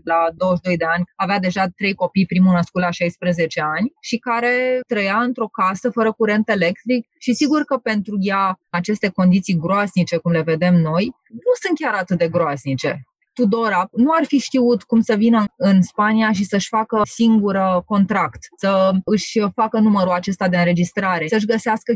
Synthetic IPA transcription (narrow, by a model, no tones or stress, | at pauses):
lad̪o̞wəʃd̪o̞jd̪e̞anʲavead̪e̞ʒat̪ɾe̞jko̞pijpɾimunəskut̪laʃajspɾeze̞t͡ʃe̞anʲʃikaɾe̞t̪ɾəjaɨnt̪ɾo̞kasəfəɾəkuɾe̞nt̪əe̞le̞k̚t̪ɾik̚ | ʃisiɡurkəpe̞nt̪ɾujaat͡ʃe̞st̪e̞ko̞nd̪it̪sijɡɾoaznit͡ʃe̞kumle̞ve̞d̪e̞mno̞j | nusɨnt̪̚kʲaɾat̪ɨt̪̚d̪e̞ɡɾoaznit͡ʃe̞̰ | t̪ud̪o̞ɾanuarfiʃt̪iut̪kumsəvinəɨnspaniaʃ̬isəɨʃʲfakəsiŋɡuɾko̞nt̪ɾakt̪səɨʃʲfakənuməɾuat͡ʃe̞st̪ad̪e̞ɨnɾe̞d͡ʒist̪ɾaɾe̞səɨʃ̬ɡəseaskə